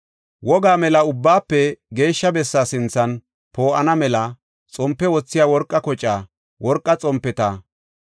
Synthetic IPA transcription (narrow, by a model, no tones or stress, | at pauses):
wɔɡaːmɛlɐʊbːaːpːɛɡe̞ːʃːɐbɛsːaːsɪnt͡sːɐn | po̞ːʔɐnɐmɛlɐ | t͡sʼɔmpːɛwɔt͡sːɪjaːwɔɾkʼːɐkɔt͡ʃʼːaː | wɔɾkʼːɐt͡sʼɔmpːɛt̪ɐ